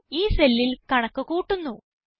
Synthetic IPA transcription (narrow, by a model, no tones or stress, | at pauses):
iːselːilkɐɳɐkːɨkuːʈːunːu